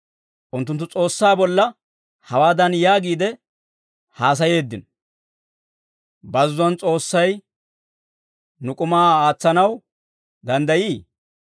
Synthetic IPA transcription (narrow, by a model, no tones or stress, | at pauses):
ʔʊnt̪ːʊnt̪ːʊt͡sʼo̞ːsːaːbɔlːɐ | hɐwaːd̪ɐnjaːɡiːd̪ɛ | haːs̬ɐje̞ːd̪ːɪn | bɐzːʊɐnt͡sʼo̞ːsːɐj | nʊkʼʊmaːaːt͡sːɐnɐw | d̪ɐnd̪ɐjiː